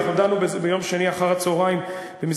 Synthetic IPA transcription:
χodanubbejo̞mʃeniaχaʁat͡soʁaim | b̥emiz

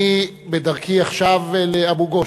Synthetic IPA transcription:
i | bedaʁkiaχʃavleabuɡo

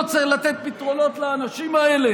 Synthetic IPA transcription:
t͡silat̪et̪̚pit̪ʁo̞lo̞t̪leːnaʃimaele̞

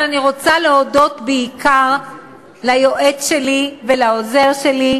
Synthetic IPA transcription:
aniʁo̞t͡saleodo̞t̪beikʰaʁ | lajo̞ʔe̞tʃe̞livelaoze̞ʁʃe̞li

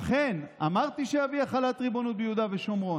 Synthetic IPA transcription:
χenamaʁt̪iʃeaviaχalat̪ʁibo̞nut̪̚bejud̪aveʃo̞mʁo̞

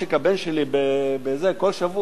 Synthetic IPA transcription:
ekabenʃelibebezeko̞lʃavu

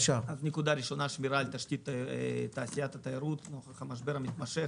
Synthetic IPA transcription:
ʃavaznʲekud̪aɾʲiʃo̞naʃmiɾaːlʲt̪aʃtʲit̪ːat̪aːsijat̪ɐt̪aiɾut̪noχɐχamaʃbe̞ɾɐmit̪maʃe

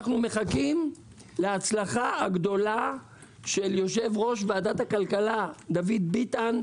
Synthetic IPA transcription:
χnume̞χakim | leat͡slaχaaɡd̪o̞la | ʃe̞ljo̞ʃe̞vʁo̞ʃ̬vead̪at̪hakalkalad̪avid̪̚bit̪an

